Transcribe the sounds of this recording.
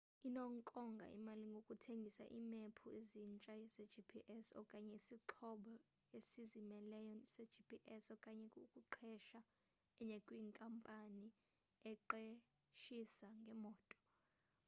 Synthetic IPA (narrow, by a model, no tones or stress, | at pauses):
inɔŋkʼɔŋɡʱa̰ʔḭmaliŋɡʱokʼutʰeŋɡʱisa̰ʔiːmepʰuezint͡ʃʼaze̥d͡ʒipʰiʔɛsɔ̰kʼaɲɛisiǃʰɔɓɔ | esizimɛlɛjɔsed̥d͡ʒipʰiʔɛsɔkʼaɲɛkʼukʼuǃʰɛʃa | ɛɲɛkʼwiːŋkʼampʼani | ɛǃe | ʃisaŋɡʱɛmɔːtʼɔ̥